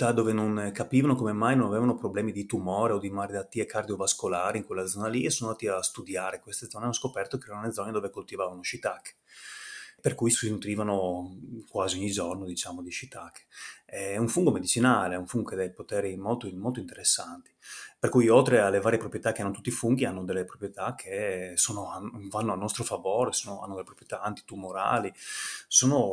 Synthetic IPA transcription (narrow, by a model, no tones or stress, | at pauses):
t̪ad̪oːvenoŋkapiːvanokomemajnonaveːvanopɾoblɛːmid̪it̪umoːɾeod̪imaɾelat̪ːiekard̪iovaskolaːɾiiŋkwelːad̪zɔːnaliesonoand̪at̪iast̪ud̪jaːɾekwest̪ed̪zɔːneanoskopɛrt̪okeɛɾanoled̪zɔːned̪oːvekolt̪ivavanoʃit̪akːe̥ | perkujsinut̪ɾiːvanokwaːziɔɲːid͡ʒornod̪it͡ʃaːmod̪iʃit̪akːeɛɛuɱfuŋɡomed̪it͡ʃinaːleɛuɱfuŋɡoked̪ɛjpot̪ɛːɾimolt̪omolt̪oint̪eɾesːant̪i̥perkujolt̪ɾealːevaːɾjepɾopɾjet̪akːeanːot̪u̥t̪ːifuŋɡianːod̪elːepɾopɾjet̪akʰːesoːnoavanːoalnɔst̪ɾofavoːɾesoːnoa̰nːod̪elepɾopɾjet̪aant̪i̥t̪umoɾa̰ːlisoːno